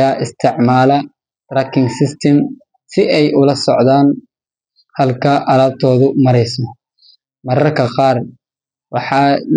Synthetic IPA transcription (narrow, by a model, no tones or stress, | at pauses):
aːʔɪst̪ʰɪʕmaːlɐ | drɐkʰɪŋsɪst̪ʰɐm | sɪʔɛjʔʊlɐsɔʕðaːn | hɐlkʰɐʔɐlaːb̚t̪ʰɔːðʊmɐɾɛjsɔ | mɐɾɐrkʰɐqɑːr | wɑħɑːl